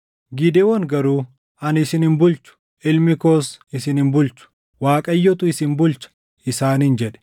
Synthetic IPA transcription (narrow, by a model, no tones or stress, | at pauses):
ɡɪd̪ɛwɐŋɡɐɾuː | ɐnɪsɪnɪnbʊlt͡ʃʊ̥ | ɪlmɪkoːsɪsɪnɪnbʊlt͡ʃʊ̥ | waːkʼɐjːɔt̪ʊɪsɪnbʊlt͡ʃɐ̥ | ɪsaːnɪnd͡ʒɛᶑɛ̥